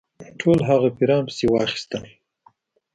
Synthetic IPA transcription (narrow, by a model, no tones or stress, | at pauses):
ʈʰolɦaɣapiɾɑmpə̥sewɑxi̥st̪əm